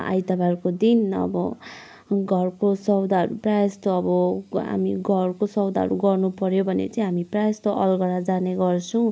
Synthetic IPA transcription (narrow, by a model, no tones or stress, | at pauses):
a̰jt̪abarkod̪inʌ̰bʌ | ɡʱʌrkosʌwd̪aʌɾuprajst̪oʌbʌɦa̰miɡʱʌrkosʌwd̪aɦʌ̰ɾuɡʌrnupʌɾjobʱʌnḛt͡saĩɦamiprajest̪oʔʌlɡʌɾad͡zaneɡʌrt͡sʰʌ̃w̃